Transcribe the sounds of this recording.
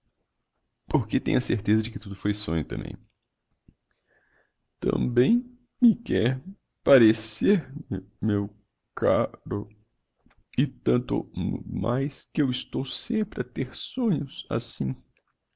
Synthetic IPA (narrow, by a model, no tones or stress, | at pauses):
poɾket̪ẽɲ̃ɐseɾt̪ezɐd͡ʒɪkɪt̪ud̪ʊfojsõ̰ɲʊt̪ɐ̃mbḛ̃j̃ | t̪ɐ̰̃bẽj̃ | mɪkɛɾ | paɾeseɾm | mew | kʰa̰ɾʊ | ɪt̪ɐ̃nt̪ʊ̰ma̰jskɪewɪst̪owsẽmpɾɪat̪eɾsõɲʊsa̰sĩ